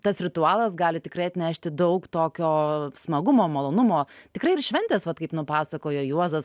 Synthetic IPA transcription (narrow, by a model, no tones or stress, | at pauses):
t̪ɐsɾʲɪt̪ʊɑːlˠɐsɡɑːlʲɪt̪ʲɪkrɐɪɐt̪ʲnʲæʃʲt̪ʲɪd̪ɐʊkt̪oːkʲoːsmɐɡʊmoːmɐlˠoːnʊmoːt̪ʲɪkɾɐɪɪrʃʲʋʲɛnʲt̪ʲɛːsʋɐt̪kɐɪpnʊpɑːsɐkoːjoːjuɔzɐs